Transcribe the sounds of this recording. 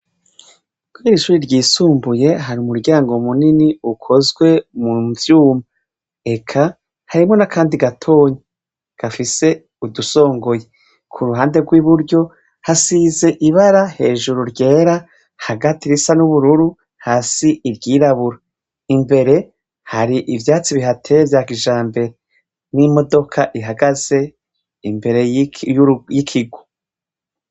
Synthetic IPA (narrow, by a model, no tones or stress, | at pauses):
kwiɾiʃuɾiɾɟiːsuːmbuje̞ɦaɾiumuɾɟaːŋɡomuniniukʰo̞zɡwe̞muvjuːma | e̞kʰa | haɾimo̞nakʰaːndiɡatʰo̞ːɲe | ɡ̥afise̞ | uduso̞ːŋɡo̞je̞ | kʰuɾuɦaːnde̞ɡwiβuɾɟo̞ | hasize̞ʔiβaɾahe̞ːʒuɾuɾɟe̞ːɾa | haɡatiɾisanuβuɾuɾu | haːsiiɾɡiːɾaβuɾa | imbe̞ɾe̞ | haɾiʔivjaːt͡siβiɦatʰevjaːkiʒaːmbe̞ɾe | nimo̞do̞kʰaʔiɦaɡaz̥e̞ | imbe̞ɾe̞ | jikʰiɡwo̥